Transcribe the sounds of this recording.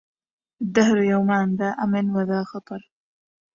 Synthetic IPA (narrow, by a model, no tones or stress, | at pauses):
ʔad̪ːaɦɾjawmaːnðaːʔamɪnwaðaːxɑt̪ˤɑɾˤ